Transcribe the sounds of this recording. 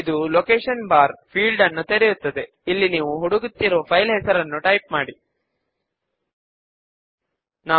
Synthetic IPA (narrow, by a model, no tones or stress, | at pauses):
id̪ulokeːʂɐnbaːɾpʰiːɭɖɐnːut̪eɾejut̪ːɐd̪e̞ | ilːiniːʋuɦuɽuɡut̪ːiɾoːpʰɐjlɦɛsɐɾɐnːuʈɐjp̚maːɽi | naː